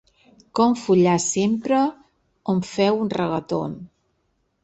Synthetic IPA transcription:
kɔmfuʎasempɾə | oɱfɛwunrəɣət̪o̰n

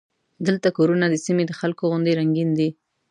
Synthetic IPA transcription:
d̪əlt̪akoɾunad̪əsimed̪əxalkoɣʊnd̪eɾaŋɡind̪i

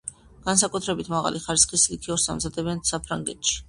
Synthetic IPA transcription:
ɡ̥ans̬akʼut̪ʰɾɛbit̪ʰmaʁa̰liχaɾisχislikʰiɔɾsa̰mzad̪ɛbɛnsapʰɾaŋɡɛt̪ʰʃi̥

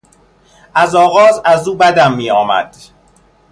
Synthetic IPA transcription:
ʔæzɒːɣɒːzæzuːbæd̪æmːiːɒːmæ̰d̪̥

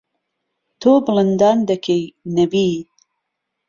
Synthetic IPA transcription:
t̪ʰobɨlɨnd̪ɑːnd̪ɐkʰejnɐbiː

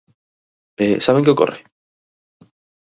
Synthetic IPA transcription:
esaβẽŋkɪoko̰rɪ

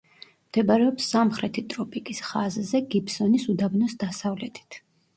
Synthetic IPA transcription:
md̪̥ɛbaɾɛɔpsːamχɾɛt̪ʰit̪ʼɾɔpʼikʼisχazzɛɡipsɔnisud̪abnɔsd̪asavlɛt̪ʰi̥t̪ʰ

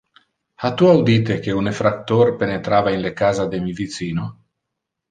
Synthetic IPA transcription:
hat̪uawd̪it̪ekeunefɾak̚t̪oɾpenet̪ɾaːvainlekaːzad̪emivisiːno

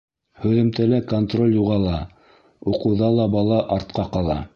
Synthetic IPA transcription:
hɵ̆ðɘ̆mt̪ælækont̪ro̞lʲjuʁɑlˠɑ | uqɤ̆wðɑlˠɑbɑlˠɑʔɑɾt̪qɑqɑlˠɑ̰

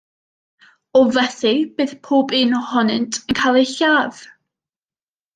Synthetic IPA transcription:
ɔvɛθɨb̥ɨːðpʰoːbɪːnɔhɔnɨntʰənkʰaːlˠejɬaːv̥

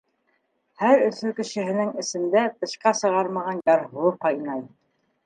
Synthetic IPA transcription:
hæɾɵ̆θɵkɘ̆ʃɘ̆ɦɘ̆nɘŋɘ̆sɘ̆nd̪æt̪ɤ̆ʃqɑsɤ̆ʁɑɾmɑʁɑnjɑɾɦɤqɑjnɑj

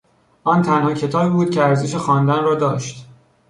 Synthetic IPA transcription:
ʔɒːnt̪ʰænhɒːcʰe̞t̪ʰɒːbiːbuːd̪̥̚cʰeæɾzeʃexɒːnd̪ænrɒːd̪ɒːʃt̪

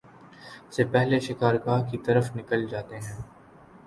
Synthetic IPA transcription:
sepɛɦleʃɪkaːɾkaːkit̪ɐɾəfnɪkəld͡ʒaːt̪eɦɛ̃ː

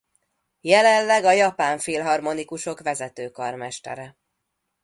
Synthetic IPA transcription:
jɛlɛnlɛɡɒjɒpaːɱfeːlɦɒrmo̞nikuʃo̞kʋɛzɛt̪øːkɒrmɛʃt̪ɛ̰ɾɛ

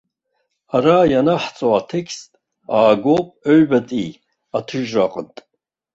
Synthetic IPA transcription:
aɾajanaħt͡sʼoatʰekʰstʼ | aːɡʷopʼøɥbatʼi | atʰɨʒraqʼəntʼ

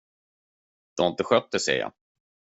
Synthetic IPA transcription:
d̪̥ɔaɪnt̪əɧœt̪̚d̪əsɛ̰ːja̰

